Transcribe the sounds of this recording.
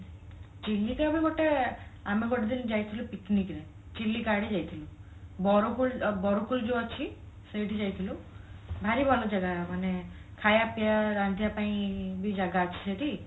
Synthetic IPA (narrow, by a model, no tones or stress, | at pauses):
t͡ʃilːit̪abiɡoʈeamiɡɔʈed̪ind͡ʒajt̪ʰilupiknikɾe | t͡ʃilːikaɽid͡ʒajt̪ʰilũ | bɔɾokulbɔɾukuld͡ʒoat͡ʃʰi | səjʈʰid͡ʒajt̪ʰilũbʱaɾibʱɔlɔd͡ʒaɡamanekʰajapijaɾand̪ʱijapaĩbid͡ʒaɡaːt͡ʃʰi̥seʈi